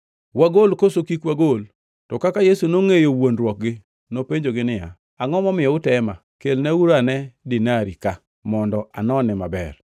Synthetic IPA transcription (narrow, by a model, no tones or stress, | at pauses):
waɡolkosokikwaɡol | tɔkakajesunoŋejowonɾwɔk̚ɡɪ | nopeɲd͡ʒoɡɪnɪja̰ | aŋɔmɔmɪjɔʊtɛma | kelnɛuɾanɛdɪnaɾika | mɔndɔʔa̰nɔnɪma̰bɛ̰r